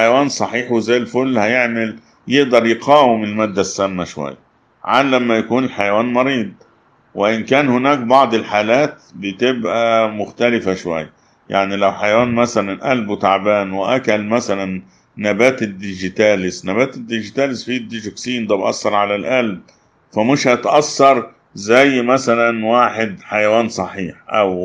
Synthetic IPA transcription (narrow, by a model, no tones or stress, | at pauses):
ħajawaːnsˤɑħiːħwɪzæːlfʊlːhæjɪʕmal | jɪʔd̪ɑɾˤjɪqʰɑːwɪmɪlmæːd̪ːasːæmːaʃwa̰jːa | ʕalːamːæjakuːnɪlħajawaːnmɑɾiːd̪ˤ | wɪʔɪnkæːnhʊnæːk̚bɑʕd̪ˤɪlħaːlaːt̪̚bɪt̪ɪbʔæmʊxt̪ælɪfaʃwa̰jːa | ja̰ʕnilawħajawaːnmæsælænʔælbwɪt̪aʕbaːnwɪʔækælmæsælænː | æbæːt̪ɪd̪ːɪʒɪt̪æːlɪsnæbæːt̪ɪd̪ːɪʒɪt̪æːlɪsfiːd̪ːiʒʊksiːnd̪æːbʔɑsːɑɾˤʕalalʔælb̚ | fæmɪʃhæt̪ʔɑsːɑɾˤ | zæjːmæsælænwaːħɪd̪ħajawaːnsˤɑħiːħʔæ̰w